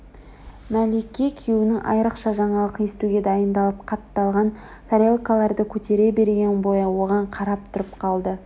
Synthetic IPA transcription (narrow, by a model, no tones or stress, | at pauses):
mælʲekʲːekʲʰewɪnɪŋʔɑ̰jɾəqʃɑʒɑɴɑlˠəqe̞st̪uɡʲe̞d̪ɑjənd̪ɑlˠəp̚qʰɑt̪ːɑlˠʁɑn | saɾʲelˠkalˠɑɾd̪əkʲʰɵt̪e̞ɾe̞be̞ɾɡʲe̞nbo̞jɑwo̞ʁɑɴqʰɑɾɑp̚t̪ʰʊɾəpqʰɑlˠd̪ə